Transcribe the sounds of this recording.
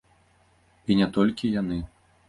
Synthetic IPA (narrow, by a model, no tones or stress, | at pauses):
inʲɛt̪ɔlʲkʲijan̪ɨ